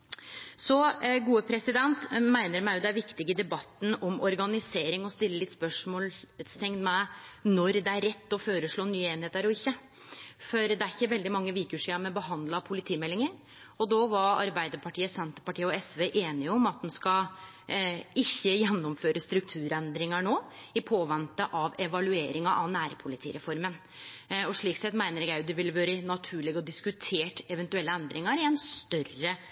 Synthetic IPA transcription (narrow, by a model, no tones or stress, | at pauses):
sɔɡuːəpʰɾɛsɪd̪ɛnt̪mæɪnəɾmæɪjʊd̪ɛæɾʋɪkt̪ɪɡəɪd̪ɛbɑt̪ːn̩ɔmɔɾɡɑnɪseːɾɪŋɔst̪ɪlːəlɪt̪ːspœʂmoːlst̪ʰɛŋd̪mæɪnɔɾd̪ɛæɾːɛt̪ːɔføːɾəʂɭoːnyːeːnheːt̪æɾɔɪçːə | fɔɾd̪ɛæɾçːəʋɛld̪ɪmɑŋːəʋiːkʉʂiːɑmɛbəɦɑnd̪lɑpʰʊlɪt̪ʰiːmɛlːɪŋəɾ | ɔd̪oːʋɑɾɑ̰ɾbæɪd̪əɾpʰɑʈʰiːəsɛnt̪əpɑʈʰiːəɔɛsʋeːʔeːnɪɔmɑt̪̚d̪ɛnskɑ | ɪçːəjɛnːɔmføːɾəst̪ɾʉk̚t̪ʰʉːɾɛnd̪ɾɪŋɑɳoːɪpʰoːʋɛnt̪əʔɑʋɛʋɑlʉeːɾɪŋɑʔɑʋnæːɾpʰʊlɪt̪ʰḭːɾɛfɔɾmən | ɔʂɭiːksɛt̪mæɪnəɾɛɡæʉd̪ɪʋɪlːʋøːɾəɪnɑt̪ʰʉːɭɪɡɔd̪ɪskʉt̪ʰeːʈɛʋɛnt̪ʉɛlːəɛnd̪ɾɪŋɑɾɪɛnst̪œrə